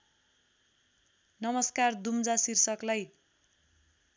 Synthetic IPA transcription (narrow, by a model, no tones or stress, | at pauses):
nʌmʌskard̪umd͡zasirsʌklaj